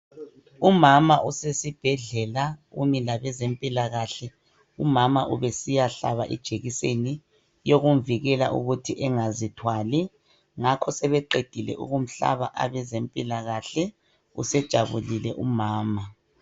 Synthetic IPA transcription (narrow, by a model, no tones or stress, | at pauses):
umamaʔusesib̥ʱɛɮɛlaumilaβɛzempʼilaɣaɬɛ | umamaʔuβɛsijaɬa̰βa̰ʔḭd̥ʒ̥ʱeɣiseni | joɣuɱviɣɛla̰ʔṵɣutʰiʔɛŋazitʰwali | ŋakʰɔsɛβɛǃed̥ʱilɛ̰ʔṵɣum̩ɬa̰βa̰ʔa̰βɛzempʼilaɣaɬɛ | ṵsɛd̥ʒ̥ʱaβṵlilɛʔumaːma